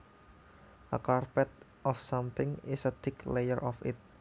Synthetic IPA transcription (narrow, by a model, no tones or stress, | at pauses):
ʔəkarpɛt̪̚ | ʔɔfsamt̪ɪŋɪsət̪ɪklejəɹʔɔfɪ̰t̪̚